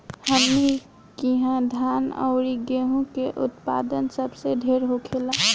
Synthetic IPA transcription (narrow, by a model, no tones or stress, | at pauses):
həmːi | kiɦãd̪ʱaːnɔ̰ʊɾiɡeɦũkeʔʊt̪pa̰d̪ənsəbseɖʱeːɾɦokʰela